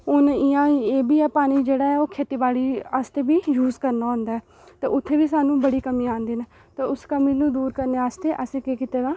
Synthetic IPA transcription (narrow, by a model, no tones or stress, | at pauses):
ʊnijãːeːbiːɛːpaːñiːd͡ʒeːɽaːɛːoːkʰeːʈiːbaːɽiːast̪eːbiːjuːzkəɾnaːɦʊ̃nd̪aːɛː | t̪ḛːʊt̪ʰːeːʋiːsaːnũːbəɽiːkəmĩːãːnd̪iːne | t̪eːʊskəmiːnũːd̪uːɾkəɾneːaːst̪eːʔəsẽːkeːkɪt̪eːd̪aː